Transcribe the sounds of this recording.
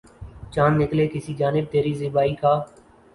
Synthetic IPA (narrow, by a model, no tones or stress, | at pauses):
t͡ʃaːnːɪkleːkɪsiːd͡ʒaːnɪb̚t̪eːɾiːzɪbaːiːkʰaː